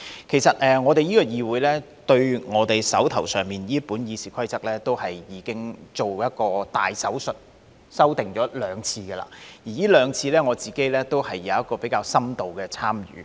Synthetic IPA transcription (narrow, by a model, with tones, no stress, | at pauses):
kʰe˨˩jsɐ˨t̚ɛː˨ŋɔː˨˧t̪e˨jiː˥kɔ˧jiː˧wuː˨˥jlɛː˥ | t̪ɵ˧ɥŋɔː˨˧t̪e˨jsɐ̰˨˥wt̪ʰɐ˨˩wsœː˨˩ŋmiː˨njiː˥puː˨˥njiː˧siː˨˩kʰɐ˥jt͡sɐ˥k̚lɛː˥t̪o˥whɐ˨jːiː˨˥kɪ˥ŋt͡so˨wjɐ˥t̚kɔː˧t̪a̰ː˨˩jsɐ˨˥wsɵ˨t̚ | sɐ˥wt̪ɪ˨ŋt͡ʃɔː˨˥lœː˨˧ŋt͡sʰiː˧ɡɛ˧la̰ː˧˩jiː˨˩jiː˥lœː˨˧ŋt͡sʰiː˧lɛː˥ŋɔː˨˧t͡siː˨˩ke˥jlɛː˥t̪o˥whɐ˨jːɐ˨˧wɐ˥t̚kɔː˧pe˨˥jkaː˧wsɐ˥mt̪o˨wkɛː˧t͡sʰaː˥mjy̰ː˨˦